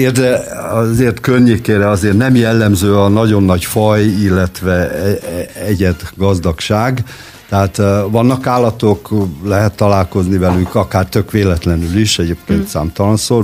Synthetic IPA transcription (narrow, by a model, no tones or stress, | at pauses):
erd̪ɛɒzeːrt̪kørɲeːkeːɾɛɒzeːrnɛmjɛlːɛmzøːɒnɒɟo̞nːɒɟfɒjilːɛt̪ʋɛɛɛɟɛd̪ɡɒzd̪ɒkʃaːɡ | t̪ɛɦaːt̪ʋɒnːɒkaːlːɒt̪o̞klɛɦɛt̪ːɒlaːlko̞znivɛlykɒkaːrt̪økʋeːlɛt̪lɛnyliʃɛɟeːp̚keːnt̪sa̰ːmt̪ɒlɒnsoːl